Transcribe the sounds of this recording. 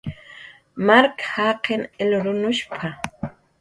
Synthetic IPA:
maɾkḁhaːqenelɾʊnʊʃpʰa

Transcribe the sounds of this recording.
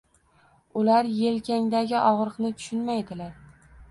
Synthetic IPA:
ʊlaɾje̞lkʲʰaŋd̪aɡʲɪʔɒʁɾɨqnɪt̪ʰʊ̥ʃʊnmajd̪ɪlaɾ

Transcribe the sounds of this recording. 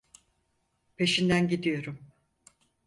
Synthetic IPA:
pʰe̞ʃind̪ænɟid̪ijo̞ɾum

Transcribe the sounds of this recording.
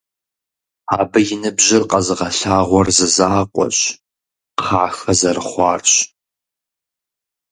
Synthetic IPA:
aːbɨjɪnɨbʑɪrqɐzɨʁɐɬaːʁʷɔrzɨzaːqʷʼɔ̰ɕ | qʰaːxɐzɐrɨχʷɑːrɕ

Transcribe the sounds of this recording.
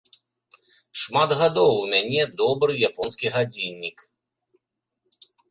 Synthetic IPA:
ʂmad̪ɣad̪ɔwumʲanʲɛd̪ɔbɾɨjapɔnskʲiɣad͡zʲinʲːik

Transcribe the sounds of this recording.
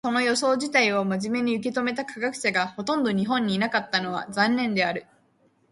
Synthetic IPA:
so̞no̞jo̞so̞ːʑit̪aio̞maʑime̞ɲ̟iɯ̟k̬e̞t̪o̞me̞t̪akaɡakɯ̟̥saɡaho̞t̪õ̞nd̪o̞ɲ̟iɦõ̞ɲ̟ːiːnakat̪ːano̞β̞a̰zãnːẽ̞nd̪e̞aɾɯ̟

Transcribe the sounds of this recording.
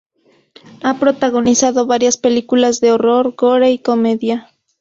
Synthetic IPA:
apɾo̞t̪aɣo̞nisaðoβaɾjaspe̞likulazðeoro̞ɾɣoɾaiko̞me̞ðja

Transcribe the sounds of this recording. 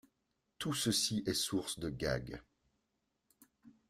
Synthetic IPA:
t̪usəsiʔɛsuʁsd̪əɡa̰ɡ

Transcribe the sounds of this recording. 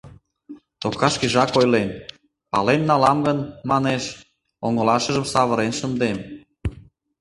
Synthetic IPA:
t̪okɑʃkiʒɑkojlen | pɑ̰lenːɑlɑmɡənmɑneʃ | oŋə̆lɑʃə̆ʒəmsɑβə̆ɾenʃə̆nd̪em

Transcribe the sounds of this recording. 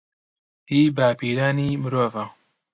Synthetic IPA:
iːbaːpiːɾaːniːmɨɾoːva

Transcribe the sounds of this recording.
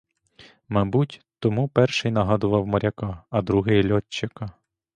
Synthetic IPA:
mɐbutʲt̪ɔmupɛrʃɪjnɐɦɑd̪ʊʋɐwmɐɾʲɐkɑɐd̪ɾuɦɪjlʲɔt͡ʃːɪkɑ

